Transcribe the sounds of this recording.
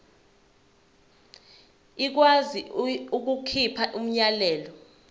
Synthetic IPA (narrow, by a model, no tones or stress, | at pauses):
ik̬waziuk̬ukʰipʰaʔum̩ɲalɛːlɔ